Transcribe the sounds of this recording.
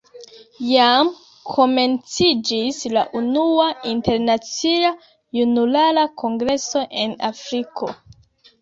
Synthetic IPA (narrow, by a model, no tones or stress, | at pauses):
jam | kʰo̞me̞nt͡sid͡ʒisla̰ʔunuainte̞ɾnat͡sia | junulalako̞ŋɡɾe̞so̞ʔe̞na̰fɾiko̞